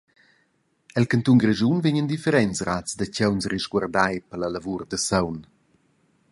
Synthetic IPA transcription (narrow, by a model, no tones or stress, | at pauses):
ɛlkant̪uŋɡreʒunviɲənd̪ifɛɾɛnsratt͡sd̪əcɛwnsriʃɡward̪ajpələlavurd̪əsawn